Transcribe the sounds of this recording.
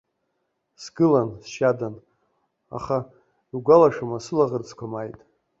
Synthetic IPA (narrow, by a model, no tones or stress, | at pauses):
sɡɨlansʃadan | a̰χa | iɡʷalaʂamasɨlaʁərt͡sʰkʷʰamajtʼ